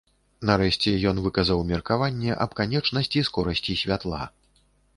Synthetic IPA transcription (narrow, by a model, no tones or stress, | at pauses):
nɐɾɛʂt͡sʲɛjɔnvɨkɐzɐwmʲɛrkavanʲːɛʔɐb̚kanʲɛt͡ʂnɐsʲt͡sʲiskɔɾɐsʲt͡sʲisʲvʲat̪lˠa̰